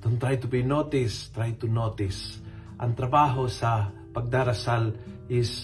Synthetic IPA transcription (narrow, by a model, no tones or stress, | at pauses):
t̪ʊŋt̪ɾajt̪ʊpɪjnot̪ɪst̪ɾajt̪ʊnoːt̪ɪs | ʔɐŋt̪ɾɐbaːɦosɐ | pɐɡ̚d̪aːɾɐsalʔɪs